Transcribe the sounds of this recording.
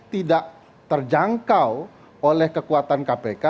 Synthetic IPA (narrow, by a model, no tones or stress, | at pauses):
t̪idaʔ | t̪ərd͡ʒaŋkaw | olɛhkəkuat̪ankapeka